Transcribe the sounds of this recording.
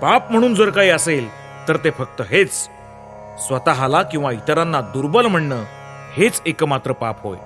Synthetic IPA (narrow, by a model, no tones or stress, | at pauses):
papm̤əɽ̃uːnd͡zəɾkaɦiːəsel | t̪əɾt̪efək̚t̪əɦet͡s | sʋət̪aɦalakĩw̃ʋait̪əɾãnːad̪uɾbəlm̤əɳːəː | het͡sekəmat̪ɾəpapɦo̰j